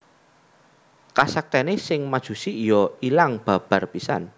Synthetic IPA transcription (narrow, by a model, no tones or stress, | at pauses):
kasak̚t̪ɛnesɪŋmad̥ʒ̥ṳsiːjɔilaŋb̥a̤b̥a̤rpisa̰n